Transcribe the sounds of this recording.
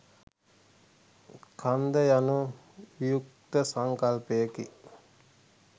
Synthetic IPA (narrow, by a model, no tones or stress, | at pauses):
kʰand̪əjanu | ʋijuk̚t̪əsaŋkalpejəkḭ